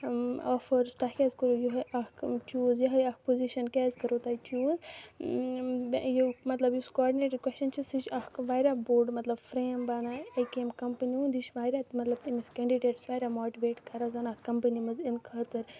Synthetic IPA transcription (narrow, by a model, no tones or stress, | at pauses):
afɐɾst̪akʲɛːzkəɾojuɦɐɐkt͡ʃuːzjɐɦɐjɐkpoziʃɐnkɛːzkɐɾoːt̪aːit͡ʃuːz | jumɐt̪lɐbjuskɔːɾɖineːʈɐkwɛst͡ʃɐnt͡ʃʰisit͡ʃɐkkʋaːɾʲaːboːɾɖmɐt̪lɐbfɾeːmbaːnaɐjkemkɐmpəniũːnd̪iʃʋaːɾʲaːt̪mɐt̪lɐbt̪imiskɐ̃ɳɖiɖeːʈsʋaːɾʲaːmoːʈiʋeːʈkɐɾazanakɐmpənimɐzinkʰɐːt̪ɐɾ